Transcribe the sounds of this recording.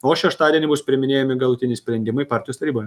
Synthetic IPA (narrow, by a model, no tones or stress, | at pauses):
oːʃʲɛʃt̪ɑːd̪ʲiɛnʲɪbʊspʲɾʲɪmʲɪnʲeːjɛmʲɪɡɐlˠʊt̪ʲɪnʲɪsʲpʲɾʲɛnʲd̪ʲɪmɐɪpɑːɾʲt̪ʲɪjoːst̪ɐɾʲiːboːj